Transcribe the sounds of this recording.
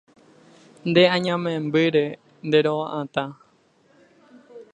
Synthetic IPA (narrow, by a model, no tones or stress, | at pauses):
nd̪eãɲãmẽmbɨɾe̞ | nd̪eɾoʋãʔãt̪ã